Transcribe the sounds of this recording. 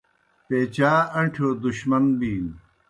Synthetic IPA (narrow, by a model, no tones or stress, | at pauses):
peːt͡ɕaːɐɳʈʰoːd̪uɕmɐnbiːn